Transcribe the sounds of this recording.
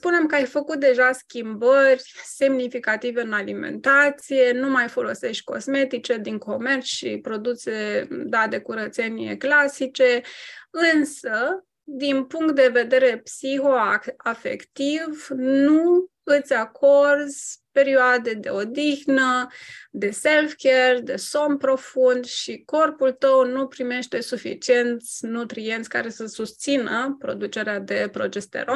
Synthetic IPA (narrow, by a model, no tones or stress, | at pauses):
spune̞mkəajfəkut̪̚d̪e̞ʒaskʲimbərʲse̞mnifikat̪ive̞ɨnalime̞̰nt̪at̪sije̞numajfo̞lo̞se̞ʃt̪ʲko̞̰sme̞t̪it͡ʃe̞d̪iŋko̞me̞rsʃḭpɾo̞d̪used̪ad̪e̞kuɾət̪se̞nʲiḛklasit͡ʃe̞ɨnsə | d̪inpuŋkt̪̚d̪e̞ve̞d̪e̞ɾe̞psixo̞afe̞̰kt̪ivnu | ɨt̪sʲakʰo̞rzʲpe̞ɾioad̪e̞d̪e̞̰o̞d̪ixnəd̪e̞se̞lfkerd̪e̞so̞mpɾo̞fund̪ʃiko̞rpult̪əwnupɾime̞ʃt̪e̞sufḭt͡ʃie̞nt̪sʲnut̪ɾie̞nt̪sʲka̰ɾe̞səsust̪sinəpɾo̞̰d̪ut͡ʃe̞ɾead̪e̞pɾo̞d͡ʒest̪ḛɾo